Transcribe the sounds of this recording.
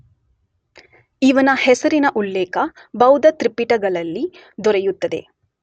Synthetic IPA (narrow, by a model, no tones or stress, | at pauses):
iʋɐnɐhɛsɐɾinɐʔulːeːkɐ | bɐwd̪ɐt̪ɾipːiʈɐɡɐɭɐlːi | d̪ɔɾejut̪ːɐd̪e̞̰